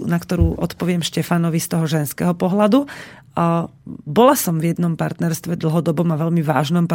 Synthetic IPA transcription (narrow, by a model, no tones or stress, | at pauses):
nakt̪ɔɾuːʔɔt̪pɔʋɪɛmʃcɛfanɔʋist̪ɔɦɔʒɛnskɛɦɔpɔɦlad̪u | bɔlasɔmvjɛd̪nɔmpaɾt̪nɛɾst̪ʋɛd̪l̩ɦɔd̪ɔbɔmaʋɛʎmiʋa̰ːʒnɔmp